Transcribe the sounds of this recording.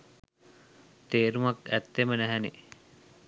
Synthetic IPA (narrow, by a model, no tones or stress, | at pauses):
t̪eːɾumakæt̪ːemənæɦæne